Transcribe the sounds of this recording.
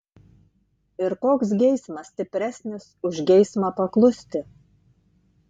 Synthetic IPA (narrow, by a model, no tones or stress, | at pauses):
ɪɾkoːks̬ɡʲɛɪsmɐsʲt̪ʲɪpʲɾʲæsʲnʲɪsʊʒɡʲɛɪsmɑpɐklˠʊsʲt̪ʲɪ